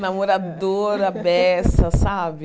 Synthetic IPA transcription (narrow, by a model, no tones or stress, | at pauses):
namoɾad̪oɾɐbɛsɐsabɪ